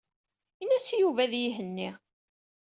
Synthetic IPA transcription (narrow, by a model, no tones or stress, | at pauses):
inæsjuvæðjiɦənːi